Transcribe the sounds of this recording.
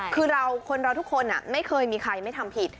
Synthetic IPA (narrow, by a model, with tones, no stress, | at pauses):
kʰɯː˧ɾa˧wkʰo˧nɾa˧wt̪ʰu˥kʰːo˧nʔa˨˩ma˥˩jkʰɤː˧jmiː˧kʰɾa˧jma˥˩jt̪ʰa˧mpʰi˨˩t̪̚